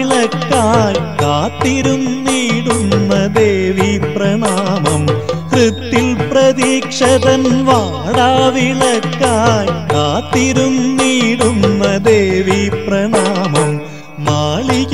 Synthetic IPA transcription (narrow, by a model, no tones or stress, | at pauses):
ɭɐkːaːjkaːt̪ːɪɾɯmniːɽunːɐd̪eːʋipɾɐɳaːmɐmkɾɪt̪ːɪlpɾɐðiːkʂɐðɐnʋaːɽaːʋɪɭɐkːaːjkaːt̪ːɪɾɯmniːɽɯnːɐd̪eːʋipɾɐɳaːmɐmː | aːɭi